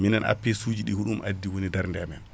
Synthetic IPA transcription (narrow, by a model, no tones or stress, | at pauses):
minanʔa̰pːɛsuːd͡ʒiɗihuɗumʔadːiwonidaɾndɛamɛn